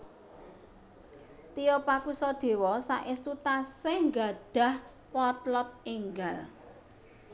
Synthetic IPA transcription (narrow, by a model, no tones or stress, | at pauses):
t̪ijɔpakusɔd̪̥e̤wɔsa̰ʔɪst̪ut̪aseŋɡa̤d̪̥ä̤h | pɔt̪lɔt̪̚iŋɡal